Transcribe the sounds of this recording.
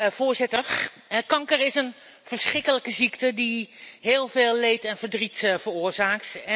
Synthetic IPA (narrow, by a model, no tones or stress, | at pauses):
vʊːɹzɪtəx | kɑŋkəɹɪsən | v̥əɹsχrɪkələkəziktədiɦeːlˠveːlˠːejtɛnvəɹdritvəɹʊːɹzaːktɛ